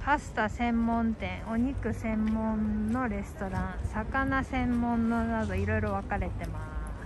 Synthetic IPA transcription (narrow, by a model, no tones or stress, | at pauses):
ɸasɨ̥t̪asẽ̞mːõ̞nt̪ẽ̞ɰ̃o̞ɲ̟ikɯ̟sẽ̞mːõ̞nno̞ɾe̞sɨ̥t̪o̞ɾãɰ̃sakanasẽ̞mːõ̞nːonad̪o̞iɾo̞iɾo̞βakaɾe̞t̪e̞massɨ̥